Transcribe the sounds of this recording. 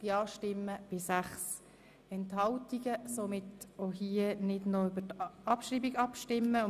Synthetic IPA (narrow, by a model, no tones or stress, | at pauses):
jɑːʃtɪmːəb̥ɪsæχs | ɛnthɑltiɡəsomɪtoɦiənɪdnoʏbətɑpʃriːbiɡɑpʃtɪmːəʊ